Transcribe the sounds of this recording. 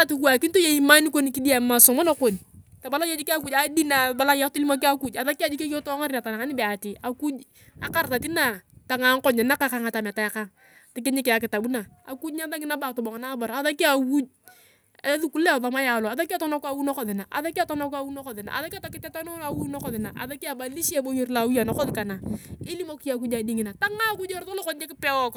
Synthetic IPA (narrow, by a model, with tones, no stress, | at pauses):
a˦tu˨ku˦a˨ki˦nto˦je˦˨i˨˦ma˦ni˦ko˦ni˨ki˦di˦a˨ma˨sɔ˨mɔ˦no˦ko˨ni˨ta˨ba˨la˦jo˦d͡ʒi˦ki˦a˦ku˦d͡ʒa˦di˦na˨ba˦la˦ja˦tu˦li˦mo˦k̬i˦a˦ku˦d͡ʒa˨ða˦ki˦a˦˨d͡ʒi˦ke˦jo˦tɔ˦ŋa˦ɾi˦na˨ta˨na˨ŋa˦nɪ˦be˨a˨ti˨a˨ku˦d͡ʒ | a̰˨ka˦˨rta˨ti˦na˨ta˨ŋa˨˦ŋ˦kɔ˦ɲɛ˨na˦ka˦ka˦ŋa˨ta˨ma˨ta˨ja˨ka˦ŋ | tɪ˨k̬e˦ɲi˦kɪ˨a˨k̬ɪ˨ta˨bu˦na˨ | a̰˨ku˦d͡ʒɲa˦ða˦ŋɪ˦na˦ba˨tʊ˨bɔ˨ŋa˨na˦ba˨ɾa˨ða˦ki˦a˨ku˦d͡ʒ̚ | e˦ðu˦ku˦lɛ˦˨ðɔ˨˦ma˦ja˨lɔ˨a˨ða˦ki˦a˦˨tɔ˦na˦ka˦wu˦nɔ˦kɔ˨ðɪ˨na˨ʔa̰˨ða˦ki˦a˨tɔ˦na˦ka˦wu˦nɔ˦kɔ˨ðɪ˨na̰˨a̰˨ða˦ki˦a˦ta˨kɪ˦tɛ˦ta˦no˦a˨wu˦nɔ˦kɔ˨ðɪ˨na̰˨ʔa̰˨ða˦ki˦a˨ba˨li˦ʃa˦bo˦ji˦rla˨wu˦ja˨nɔ˦kɔ˦ðɪ˨ka˨na˨e˦li˦mo˦ki˦a˨ku˦d͡ʒa˨di˦ŋɪ˨na˨ta˦ŋa˦ku˦d͡ʒe˦ɾto˦lo˦kɔ˦ɲd͡ʒe˦kɪ˦pɛ˦wɔ˦k